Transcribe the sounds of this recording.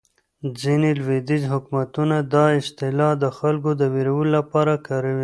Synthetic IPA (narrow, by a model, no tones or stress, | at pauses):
d͡zinelwed̪ɪd͡ʒɦʊkmat̪unad̪ɑɪst̪ɪlɑd̪əxalkod̪əweɾawəlolapɑɾakɑɾawi